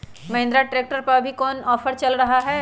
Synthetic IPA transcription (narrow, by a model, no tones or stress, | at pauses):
mɐɦɪ̃nd̪ɾaʈɾeːk̚ʈəɾpəɾbʱikɔːnɔːfəɾt͡ʃɐlɾɐɦaɦɛ